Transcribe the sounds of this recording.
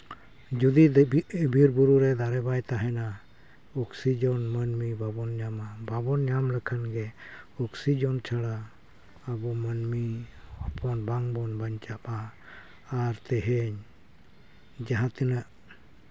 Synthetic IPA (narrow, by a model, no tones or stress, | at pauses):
d͡ʒud̪ibʱiɾbuɾuɾɛd̪aɾɛbajt̪aɦɛna | ɔksid͡ʒɔnmənmibabɔnɲamababɔnɲamlɛkʰanɡɛɔksid͡ʒɔnt͡ʃʰaɽa | abɔmənmihɔpʰɔnbaŋbɔnbaɲt͡ʃap̚aː | ɾt̪ɛɦɛɲ | d͡ʒaɦãt̪ɛnaʔ